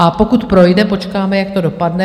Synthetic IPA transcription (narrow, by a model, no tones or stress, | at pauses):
ʔapo̞kut̪pɾo̞jdɛpo̞t͡ʃkaːmɛjak̚t̪o̞do̞padnɛ